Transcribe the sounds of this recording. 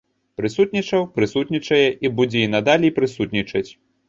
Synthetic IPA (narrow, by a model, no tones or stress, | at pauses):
pɾɨsut̪̚nʲit͡ʂɐwpɾɨsut̪nʲit͡ʂɐjɛʔibud͡zʲɛinad̪alʲipɾɨsut̪nʲit͡ʂɐt͡sʲ